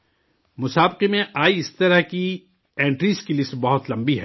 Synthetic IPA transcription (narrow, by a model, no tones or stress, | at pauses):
mʊsaːbqemẽʔaːiɪst̪ɐɾəɦki | ẽːɳʈɾiːskilɪsʈbɐɦʊt̪lɐ̃mbiɦɛː